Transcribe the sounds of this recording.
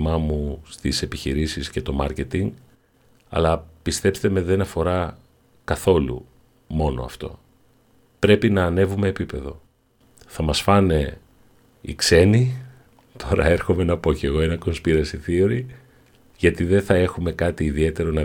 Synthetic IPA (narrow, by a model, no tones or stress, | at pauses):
mɐmust̪ise̞piçiɾisisce̞t̪o̞mɐɾce̞t̪iŋɡ | ɐ̰lɐpist̪e̞pst̪eme̞ðe̞nɐfo̞ɾɐ | kɐθo̞lṵ | mo̞no̞̰ɐ̰ft̪o̞̰ | pɾe̞pinɐːne̞vume̞ːpipe̞ðo̞̰ | θɐmɐsfɐne̞ | ḭkse̞ni | t̪ʰo̞ɾɐ̰e̞ɾxo̞me̞nɐpo̞ceɣo̞enɐko̞nspiɾɐsiθioɾi | ʝɐt̪iðe̞θɐe̞xume̞kɐt̪iːðie̞t̪e̞ɾo̞nɐ